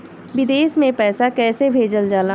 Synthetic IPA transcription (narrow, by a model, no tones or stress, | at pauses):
ʋɪd̪eːsmẽpɛːsakɛːsebʱeːd͡ʒəld͡ʒaːlaː